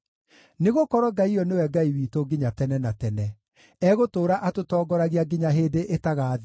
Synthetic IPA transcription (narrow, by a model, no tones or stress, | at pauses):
neɣokɔɾɔɡaiɔnewɛɡaiwiːtoɡiɲatɛnɛnatɛnɛ | ɛɣotoːɾaʔatotɔːɡɔɾaɣeaɡiɲaɦeːdeʔetaɣaːði